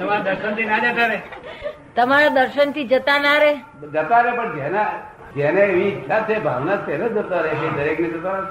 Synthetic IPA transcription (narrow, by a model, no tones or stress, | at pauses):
t̪əmaɾad̪əɾʃənt̪ʰinad͡ʒat̪aɾe | t̪əmaɾad̪əɾʃənt̪ʰid͡ʒət̪anaɾe | d͡ʒət̪aɾepəɳd͡ʒena | d͡ʒeneeʋĩt̪at̪ʰebʱa̰ʋnat̪enəd͡ʒət̪aɾeʃed̪əɾekned͡ʒət̪a